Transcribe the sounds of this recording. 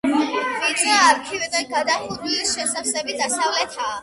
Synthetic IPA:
vit͡ʃ̪ʼaːɾkʰivɛd̪anɡad̪aχuɾilisʃɛsasɛbid̪asavlɛt̪ʰaː

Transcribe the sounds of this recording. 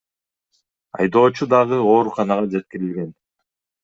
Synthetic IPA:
ɑ̰jd̪o̞ːt͡ʃud̪ɑʁɯo̞ːɾuqɑnɑʁɑd͡ʒet̪̚kiɾilɡe̞n

